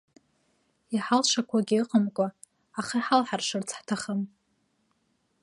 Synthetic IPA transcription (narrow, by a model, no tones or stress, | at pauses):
iħalʂakʷʰaɡʲiɨqʼəmkʷʼa | aχaħalħarʂɨrt͡sʰħtʰaχəm